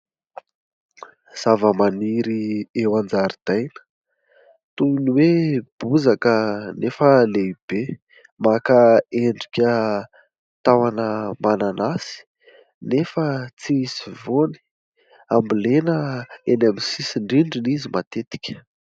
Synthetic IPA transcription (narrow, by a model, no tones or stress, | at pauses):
z̥avəmaniɾiewand͡zaɾid̪̥ajnə̥ | t̪uniweb̥uzakənefəleib̥e | makaeɳɖ͡ʐikʲə | t̪awanəmananasi̥ | nefət͡sisivoni̥ | ambilenəenamisisiɳɖ͡ʐiɳɖ͡ʐinizimat̪et̪i̥kʲə̥